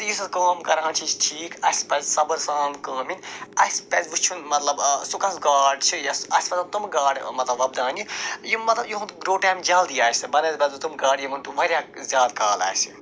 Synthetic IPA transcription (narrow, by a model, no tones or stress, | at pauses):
t̪jisɐkɐːmkɐɾãːnt͡ʃʰit͡ʃʰʈʰiːkɐspɛzʲsɐbɐɾsaːnkɐːminɐspɛzʲʋut͡ʃʰunmɐt̪lɐbsukɐsɡaːɖt͡ʃʰijaɐsʲpɐt̪t̪umɡaːɽʲmɐt̪lɐbʋɐbd̪aːnijimɐt̪lɐbjiɦuɡɾoːʈaːmd͡ʒɐld̪iːaːsɨbɐneːzpʲɛzut̪umɡaːɽjimɐnt̪uʋɐɾʲjaːzʲjaːd̪kaːla̰ːjsi